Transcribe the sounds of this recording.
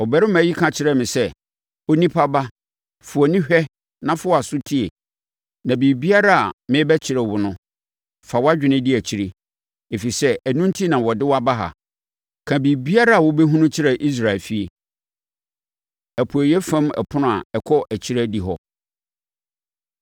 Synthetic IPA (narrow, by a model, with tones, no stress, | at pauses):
ɔ˨bɛ˦ɾɪ˦mã˨˦ji˦kʰã˨t͡ɕʰɪ˦ɾɛ˦mɪ̃˨sɛ˦ | o˦nĩ˦pʰa˦ba˦ | fʊ˨ɔ˨nĩ˦ɕᶣɛ˦ | nã˦fʊ˦˨a˨sʊ˦tʰi˦e˨ | nã˨bi˨bi˦a˦ɾa˦a̰˨mɪ̃˦bɛ˦t͡ɕʰɪ˨ɾɛ˨wʊ˨nʊ̃˦ | fa˨wa˦d͡ʑᶣɪ̃˨nɪ̃˦dɪ˦æ˨t͡ɕʰi˨ɾe˦ | e˨fi˨sɛ˦ʔæ˨nũ˦n˦tʰi˦nã˨wɔ˨dɪ˦wa˦ba˦ɦa̰˨ | kʰã˨biː˨bi˦a˦ɾa˦a˨wɔ˦be˦ɦũ˦nʊ̃˦t͡ɕʰɪ˦ɾɛ˨ʔi˦s̬ɾa˨ɪ˨lfi˦e˨ | æ˨pʰu˨æ˨jɛ˦fã˦mɛ̰˨pʰʊ̃˦nʊ̃˦a̰˨ɛ˨kʰɔ˦ʔæ˨t͡ɕʰi˦ɾɛ˦di˨ɦɔ̰˦